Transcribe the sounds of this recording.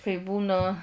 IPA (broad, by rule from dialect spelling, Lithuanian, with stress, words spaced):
kɐɪ ˈbuːnɐ